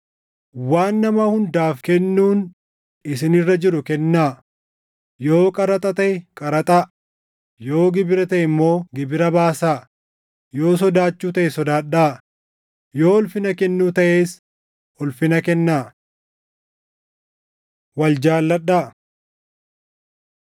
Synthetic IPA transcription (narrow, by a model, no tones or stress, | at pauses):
waːnːɐmɐhʊnd̪aːfkɛnːuːn | ɪsɪnɪrːɐd͡ʒɪɾʊkɛnːaː | jo̞ːkʼɐɾɐt̪ʼɐt̪ɐʔɛkʼɐɾɐt̪ʼa | jo̞ːɡɪbɪɾɐt̪ɐʔɪmːo̞ːɡɪbɪɾɐbaːsaː | jo̞ːs̬ɔd̪aːt͡ʃːuːt̪ɐʔɛsɔd̪aːɗaː | jo̞ːɔlfɪnɐkɛnːuːt̪ɐʔe̞ːs | ɔlfɪnɐkɛnːaː | wɐld͡ʒaːlːɐɗaː